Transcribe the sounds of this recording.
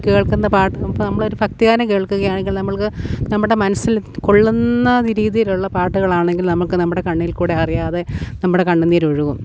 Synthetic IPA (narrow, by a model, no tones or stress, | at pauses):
ke̞ːɭkunːɐpaːʈːɨɐpːonɐmːɐɭo̞ɾufɐk̚t̪iɣaːnɐke̞ːɭkuɣɐjaːɳeŋɡilnɐmːɐɭkɨnɐmːɽe̞mɐnɐsːilkoɭːunːɐɾiːðijiluɭːɐpaːʈːuɣɐɭaːɳe̞ŋɡilnɐmːɐɭkɨnɐmːuɽe̞kɐɳːijilkuːɽe̞ɐrijaːðenɐmːuɽe̞kɐɳːunːiɾoɻuɣum